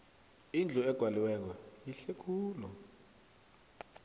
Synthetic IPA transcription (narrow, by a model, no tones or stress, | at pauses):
ind͡ɮʱuɛɡ̥ʱwaliwɛk̬ɔjiɬekʰuːlɔ